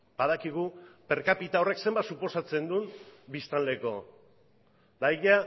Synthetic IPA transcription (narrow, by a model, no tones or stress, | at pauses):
b̥aðakiɣ̞upe̞ɾkapit̪ao̞re̞kse̞mbat̪supo̞sat͡se̞nd̪umbist̪ald̪e̞ko̞ | d̪ajja